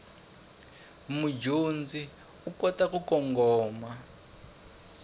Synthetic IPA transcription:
mud͡ʒund͡zi | ukɔtakukɔŋɡɔːma

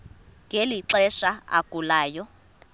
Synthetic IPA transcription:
ŋʱeliǁɛʃaa̰kʼulaːjɔ

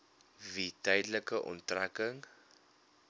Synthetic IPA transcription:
vitəjdələkəʔɔ̰ntrækəŋ

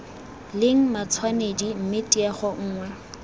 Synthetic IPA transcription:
lɪŋ̩mat͡sʰwanedim̩mɪtʼiɛχɔŋ̩ːŋwɛ

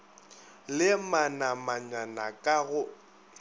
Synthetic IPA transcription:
lɪmanamaɲanakʼaɣʊ

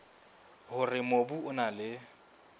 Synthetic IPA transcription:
hʊrɪmobuʊnalɪ

